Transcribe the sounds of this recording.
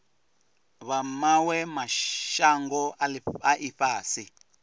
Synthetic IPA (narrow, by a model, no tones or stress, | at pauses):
βamawɛmaʃaŋɡɔaʔiɸaːsi